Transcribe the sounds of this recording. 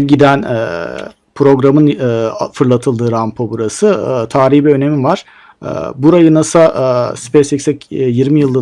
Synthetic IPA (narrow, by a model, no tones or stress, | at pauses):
ɟid̪ænɛ | pʰɾo̞ɡɾamɯnfɯɾlˠat̪ʰɯlˠd̪ɯːɾampʰobuɾasɯt̪ʰaːɾihbiø̞ne̞mivaɾ̥ | ɯ̰buɾajɯnasaʔspesicsɛcjiɾmijɯlˠːɯ